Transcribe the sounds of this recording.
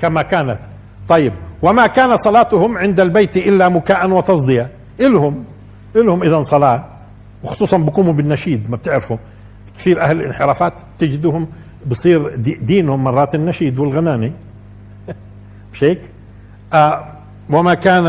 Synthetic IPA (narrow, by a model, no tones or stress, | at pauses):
kamakaːnat̪ | t̪ˤːɑjːɪb̚wɪmakaːnat̪sˤɑlɑːt̪ʊhʊmʕɪnd̪albejt̪iʔɪlːamʊkaːʔanwɪt̪ɑsˤd̪ˤɪja | ʔɪlhʊm | ʔɪlhʊmʔɪðansˤɑlɑː | wxʊ̥sˤuːsˤɑmbɪkuːmubɪnːaʃiːd̪mab̚t̪ɪʕɾɪfhʊm | kθiːɾʔahlɪlʔɪ̰nħɪɾaːfaːt̪ | t̪ːɪd͡ʒɪd̪ʊhʊm | bɨsˤiːɾd̪iːnhʊmːɑrˤːɑːt̪ɪnːaʃiːd̪wɪlɣanaːni | b̥ʃeːk | ʔa | wɪmakaːn